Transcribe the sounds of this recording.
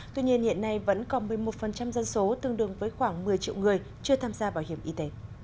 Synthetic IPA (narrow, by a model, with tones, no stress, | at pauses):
t̪wi˧ɲi˧ənhḭ˧˨ənːa˧jvə̰˧˥nkɔ˨˦mɨ˨˩əjmo˨˩t̚fə˨˩nt͡ɕa˧mzə˧nso˨˦t̪ɨ˧əŋɗɨ˨˩əŋvəː˨˦jxwaː˧˩ŋmɨ˨˩əjt͡ɕḭ˧əwŋɨ˨˩əj | t͡ɕɨ˧ət̪ʰaː˧mzaː˧ɓaː˧˩whi˧˩əmʔi˧t̪e˨˦